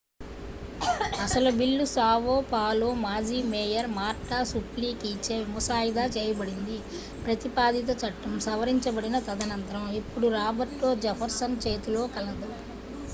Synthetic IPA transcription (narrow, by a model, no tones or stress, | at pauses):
ɐsɐlubilːusaːʋoːpaːloːmaːd͡ʒiːmeːjɐɾmaːɾʈaːsupliːkiːt͡ʃeːmusaːjid̪aːt͡ʃeːjɐbɐɽind̪i | pɾɐt̪ipaːd̪it̪̬ɐt͡ʃɐʈːɐmsɐʋɐɾiɲt͡ʃɐbɐɽinɐt̪ɐd̪ɐnɐnt̪ɐɾɐmipːuɽuɾaːbɐʈloːd͡ʒɐpʰɐɾsɐnt͡ʃeːt̪ulo̞ːkɐlɐd̪ɐ